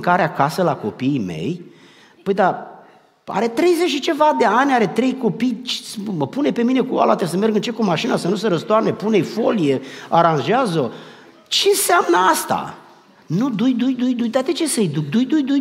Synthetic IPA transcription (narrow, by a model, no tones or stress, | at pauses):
ŋkaɾeakasəlako̞pime̞̰j | pəjd̪a | a̰ɾe̞t̪ɾe̞jzet͡ʃit͡ʃe̞vad̪e̞anʲaɾe̞t̪ɾe̞jko̞pijt͡ʃməpunepe̞mine̞kua̰lat̪ɾesəme̞rɡɨnt͡ʃekumaʃinasənuseɾəst̪oarnepunejfo̞lijeaɾãnʒeazo | t͡ʃenseamnəast̪a̰ | nud̪ujd̪ujd̪ujd̪ujt̪at̪et͡ʃesəjd̪ukd̪ujd̪ujd̪uj